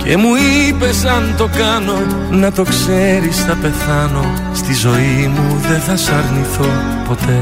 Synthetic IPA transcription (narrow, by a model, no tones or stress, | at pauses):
ce̞muipe̞sɐnt̪o̞kɐno̞ | nɐt̪o̞kse̞ɾisθɐpe̞θɐno̞ | st̪izo̞imuðe̞θɐsɐɾniθo | po̞t̪e̞